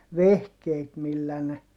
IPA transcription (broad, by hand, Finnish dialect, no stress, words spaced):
ʋehkeːt milːæ ne